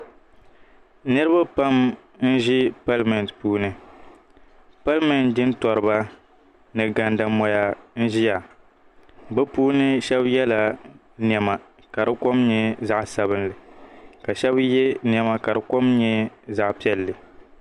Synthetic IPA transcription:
nɨ˦ɾɨ˦ba˦pa˦m | n̩˦ʒi˦pa˦lmɛ˨n˨tpuː˦nɨ˨ | pa˦lmɛ˨ndɨ˦n˦tɔ˨ɾɨ˨ba˦ | nɨ˨ɡa˨nda˨mɔ˨ja˨n̩˦ʒi˦ja˨ | bɛ˦puː˦nɨ˦ʃɛ˦bjɛ˦la˨ | n˨ɛ˨ma˨ | ka˨dɨ˦ko˦mɲɛ˦za˦ʔsa˨bɨ˦nlɨ˨ka˨ʃɛ˦bjɛ˦n˦ɛ˦ma˦ka˨dɨ˨ko˦mɲɛ˦za˨ʔpi˦ɛ˦lːɨ˨

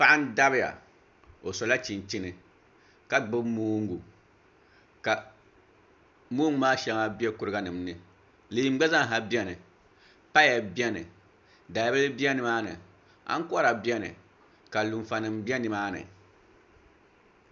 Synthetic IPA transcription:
pa˦ʔa˦n˦da˦bɪ˦ja̰˨ | o˨sɔ˨la˦t͡ʃi˨nt͡ʃi˦nɨ˨ | ka˦ɡ͡bɨ˦moː˦ŋ˦ɡu˨ | ka˨ | moː˦ŋ˦maː˦ʃɛ˨˦ŋa˦bi˦ɛ˦kʊ˨ɾɨ˦ɡa˦nɨ˨mnɨ˨ | lɨ˨i˦m˦ɡ͡ba˦za˦ŋ˨ɦa˨bi˦ɛ˦nɨ˨ | pa˦ja˨bi˦ɛ˦nɨ̰˨ | da˨˦bɨ˦lɨ˦bi˦ɛ˦nɨ˨maː˦nɨ̰˨ | a̰˦ŋ˦kʊ˦a˦ɾa˨bi˦ɛ˦nɨ̰˨ | ka˨lu˨ɱ˨fa˨nɨ˨mbi˦ɛ˦nɨ˨maː˦nɨ̰˨

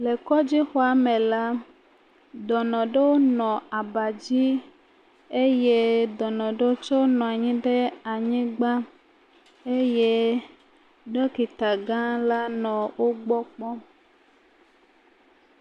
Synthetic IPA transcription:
le˨kɔ˦d͡ʑi˦xɔ˦a˨mẽ˨la˦ | d̪ɔ˨nɔ̃˨ɖe˦wo˦nɔ̃˨a˨ba˨d͡ʑi˦ | e˦je˦d̪ɔ˨nɔ̃˨ɖe˦wo˦t͡ʃo˦nɔ̃˨a˨ɲĩ˦ɖe˦a˨ɲĩ˦ɡ͡ba˦ | e˦je˦ | ɖe˦ki˨t̪a˨ɡã˦la˦nɔ̃˨wo˦ɡ͡bɔ˦k͡pɔ˦

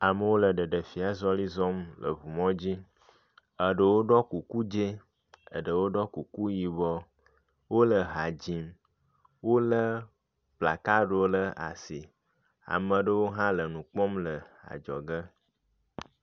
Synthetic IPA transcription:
a˨mə˨wo˦lə˨ɖə˨ɖə˨fi˨a˨zɔ˦li˦zɔ˦mlə̰˨βu˨mɔ̃˦d͡ʑi˦ | ə˨ɖə˨wo˦ɖɔ˦ku˨ku˦d͡ʒe˦ | ə̰˨ɖə˨wo˦ɖɔ˦ku˨ku˦ji˨bɔ˦ | wo˦lə˨ɦa˨d͡ʑi˨m | wo˦lə˦ | bla˨ka˦ɖo˦lə˦a̰˨si˨ | a̰˨mə̃˨ɖə˦wo˦ɦã˦lə˨nũ˨k͡pɔ˦mlə˨a̰˨d͡ʒɔ̰˨ɡə˦

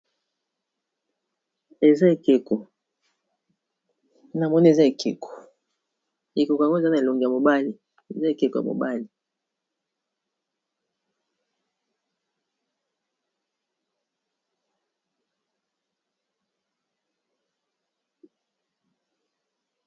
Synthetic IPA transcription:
e˨za˦e˨ke˨ko˨ | na˨mɔ˦ni˦e˨za˦e˨kʰe˨ko̥˨ | e˨ko˨ko˨a˨ŋɡo˦e˨za˦na˨e˨lo˨ŋɡi˨ja˨mo˨ba˦li˨ | ḛ˨za˦e˨ke˨ko˨ja̰˨mo̰˨ba˦li˨

